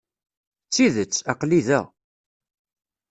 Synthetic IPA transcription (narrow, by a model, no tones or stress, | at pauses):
t͡sːiðət͡sːɑqliðæ̰ʁ